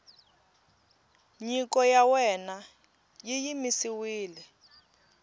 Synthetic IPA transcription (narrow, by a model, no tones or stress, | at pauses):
ɲikɔjawɛna | jijimisiwiːlɛ